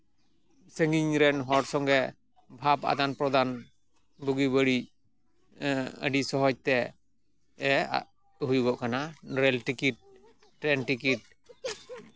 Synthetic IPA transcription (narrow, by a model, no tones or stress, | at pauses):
səŋɡiɲɾɛnɦɔʈsɔŋɡɛ | bʱapa̰d̪anpɾɔd̪an | buɡibəɽic | ə̰ɖisɔɦɔd͡ʒ̚t̪ɛ | ɛ | ɦujuɡɔʔkanaɾɛlʈikiʈ̚ː | ɾɛnʈikiʈ̚